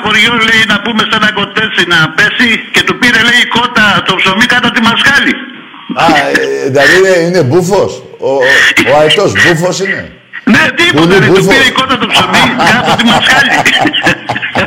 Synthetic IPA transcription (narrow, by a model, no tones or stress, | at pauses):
poɾʝozle̞inɐpume̞senɐko̞t̪e̞t͡sinɐpe̞sice̞t̪upiɾe̞leiko̞t̪ɐt̪opsomikɐt̪ot̪imɐskɐli | ɐðlɐðiineine̞bufo̞s | ooɐit̪o̞sbufo̞sine̞̰ | net̪ipolit̪ebuufoiɾeiko̞t̪ɐt̪opsomikɐtot̪imɐskli